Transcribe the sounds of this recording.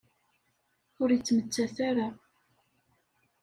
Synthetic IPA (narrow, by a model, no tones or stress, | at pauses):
ʊɾjət͡sːmət͡sːæθaɾa